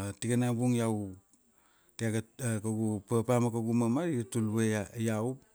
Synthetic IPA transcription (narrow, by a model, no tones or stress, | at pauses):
tiɡanabuŋjaw | teaɡakaɡupapamakaɡumamaɾiɡatulweajaw